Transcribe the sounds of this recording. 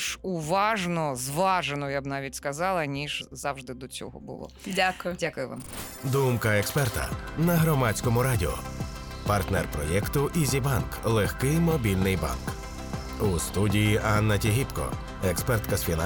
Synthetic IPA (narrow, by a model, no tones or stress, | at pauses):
ʃʊʋɑʒnɔzʋɑʒenɔjabnɑʋʲitʲskɐzɑlˠɐnʲiʒzɑwʒd̪ɪd̪ɔt͡sʲɔ̰ɦɔ̰bʊ̰lˠɔ̰akjdʲakʊjʊʋa̰md̪umkɐɛkspɛrt̪ɐ̰nɐɦɾɔmɑt͡sʲkɔmʊɾɑdʲiɔ̰pɐrt̪nɛrpɾɔjɛkt̪ʊʔizʲibɑnklˠexkɪjmɔbʲilʲnɪjbɑ̰nk | ust̪udʲijiʔɑnːɐtʲiɦʲipkɔ̰ | ɛkspɛrt̪kɐsfʲina